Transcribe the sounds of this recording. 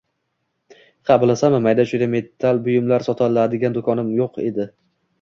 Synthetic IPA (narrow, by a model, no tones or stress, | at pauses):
qʰɑblˠasamɪmajd̪aʃʊd̪ame̞t̪ʰːalbʊjɪmlaɾsɒt̪ʰalad̪ɪɡʲand̪okʰɒnɪmjoqʰe̞d̪ɪ